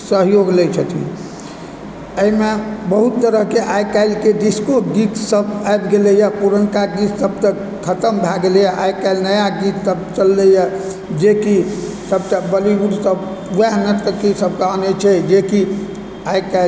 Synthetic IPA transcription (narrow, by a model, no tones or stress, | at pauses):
səɦjoɡlɛt͡ʃʰət̪ʰḭ | əimebəɦut̪ːəɾəɦkeʔajkaɪlked̪iskoɡik̪səbabɡelejapuɾənkaɡit̪səb̚t̪ə | kʰət̪əmbʱaɡelejaʔajkaɪlnəjaɡit̪səbt͡ʃəlːɛja | d͡ʒeki | səbt̪əbəlibud̪səb | ʋɛɦnət̪kəkisəb̚ʱkaənɛt͡ʃʰɛd͡ʒeki | ajkal